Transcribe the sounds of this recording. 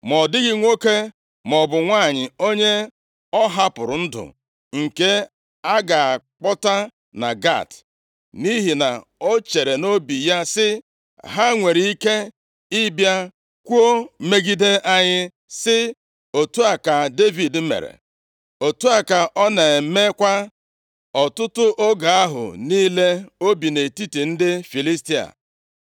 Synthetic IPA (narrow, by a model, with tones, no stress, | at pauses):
mɔ˨dɪ˦ɡɪ˦ŋʷo˦ke˦ | mɔ˨bʊ˨ŋʷa˦˨ɲɪ˨o˦ɲe˦ | ɔ˦ɦa˦pʊ˨ɾʊ˨n̩˦dʊ̰˨ | ŋ̩˨ke˦ | a˦ɡa˨a˨ | k͡pɔ˦ta˦ | na˨ɡa̰˦˨t | ni˦ɦi˨na˨o˦t͡ʃe˨ɾe˨no˦bi˨ja˦sɪ˦ | ɦa˦ŋʷe˨ɾi˦ke˦ | i˦bja˦ | kʷu˦o˦me˦ɡi˦de˦ʔa˦ɲɪ˦ | sɪ˦ | o˨tu˦a˨ka˨de˦vi˨dm̩˦mḛ˨ɾḛ˨ | o˨tu˦a˨ka˨ʔɔ˦ne˨˦me˦kʷa˦ | ɔ˨tʊ˦tʊ˦ʔo˦ɡa˨a˦ɦʊ̰˨ni˦le˦o˦bi˨ne˨ti˦ti˨n̩˦dɪ˦fi˨li˦sti˦a̰˨